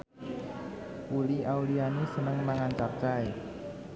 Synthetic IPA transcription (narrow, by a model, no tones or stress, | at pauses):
wuliaulianisənəŋmaŋant͡ʃart͡ʃae